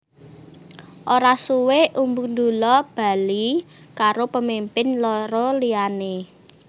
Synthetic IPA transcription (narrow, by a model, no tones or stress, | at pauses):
ʔoɾasuweʔumbund̪ulɔb̥a̤li | kaɾopəmimpɪnlɔɾɔliane